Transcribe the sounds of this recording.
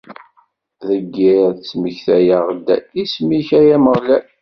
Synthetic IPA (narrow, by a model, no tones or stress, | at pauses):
ðəɡːiðt͡sːməçθæjaʁd̪ːæ̰ismiçæjæməʁlæ